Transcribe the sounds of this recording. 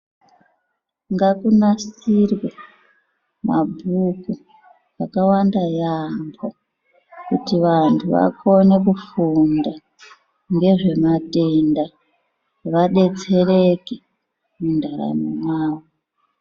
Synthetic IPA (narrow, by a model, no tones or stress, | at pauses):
ŋɡakunasirwe | mabʱuku | akawandajambo | kutiʋantʰuʋa̰kʰo̞ne̞kufunda | ŋɡe̞ʐe̞mate̞nda | ʋaɗe̞t͡se̞reke | mundaɾa̰monaːwo